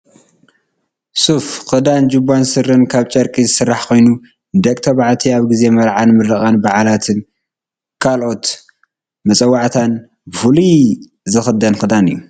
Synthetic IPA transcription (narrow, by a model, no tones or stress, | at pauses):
sufxɨd̪and͡ʒɨbːansɨɾɨnkʰaβt͡ʃʼɐɾkʼizɨsɨrːaħkʰo̞jnu | d̪ɐkʼt̪ʰɐβaʕt̪ʰiaβɡize̞mɐɾʕanmɨɾɐχʼanbaʕalat̪ʰɨn | kʰalʔo̞t̪ | mɐt͡sʼɐwːaʕt̪ʰan | bɨfuli | zɨxɨd̪ɐnxɨd̪anɨ̰jːu